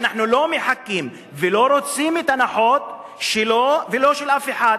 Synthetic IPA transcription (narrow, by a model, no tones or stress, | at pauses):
naħnulo̞meħakːim | velo̞ɾo̞t͡simet̪anaħo̞t̪ | ʃelovelo̞ʃelʔafeħad̪